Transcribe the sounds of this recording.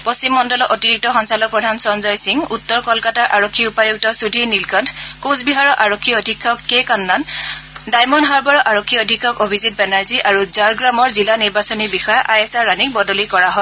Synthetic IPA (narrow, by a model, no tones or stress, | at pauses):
post͡ɕimːɔndɔlɔʔotiɹik̚tɔxɔnsalɔk̚pɹɔdʱansɔnzɔjsiŋutːɔɹkɔlkataɹʔaɹokʰːiupajuɡ̚tɔsudʱinilkɔndkõsbiɦaɹɔʔaɹokʰːiodʱikʰːɔkːekanːandajmɔnɦaɹbɔɹɔʔaɹokʰːiodʱikʰːɔkobʱizit̚bɛnaɹziʔaɹuzaɹɡɹamɔɹzilaniɹbasɔnibixɔjaʔajɛsaɹɹanik̚bɔdɔlikɔɹaɦɔ